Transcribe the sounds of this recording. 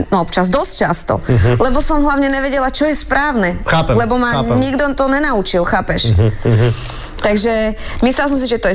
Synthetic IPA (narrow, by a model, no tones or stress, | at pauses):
ɔpt͡ʃazd̪ɔst͡ʃast̪ɔ̰lɛbɔsɔmɦlaʊɲɛɲɛʋɛɟɛlat͡ʃɔjɛspɾaːʊnɛalɛbɔmaɲiɡd̪ɔt̪ɔɲɛnaut͡ʃilxaːpɛʃ | t̪aɡʒɛmisɛas̬ɔms̬iʒɛt̪ɔjɛ